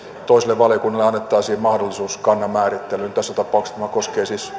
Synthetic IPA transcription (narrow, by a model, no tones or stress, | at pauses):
t̪oisileʋʋɑljokunːɑleɑnːet̪ːɑːsiːmɑhdolːˑisuːskɑnːɑmæːrit̪ːelynt̪æsːæt̪ɑpˑɑˑukst̪æmækoskeːsis